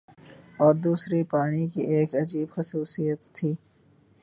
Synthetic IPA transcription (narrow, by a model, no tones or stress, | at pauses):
ɔːɾd̪uːsɾipaːnikiʔeːkɐd͡ʒiːbxʊsuːsijət̪ʰːiː